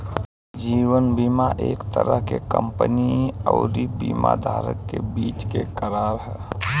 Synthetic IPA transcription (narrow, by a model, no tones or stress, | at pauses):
d͡ʒiːwənbiːmaʔeːkt̪əɾəɦkekə̰mpəniɔʊɾibiːma̰d̪ʱaːɾəkːebiːt͡ʃkekəɾaːɾɦɛː